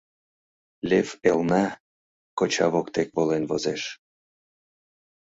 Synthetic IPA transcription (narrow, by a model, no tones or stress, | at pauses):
lʲefelnɑ | kot͡ɕɑβokt̪ekβolenvozeʃ